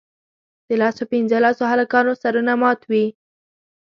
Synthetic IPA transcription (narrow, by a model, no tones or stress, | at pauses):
d̪̥əlɑsopinzəlɑsoɦalakɑnosaɾunamɑt̪wi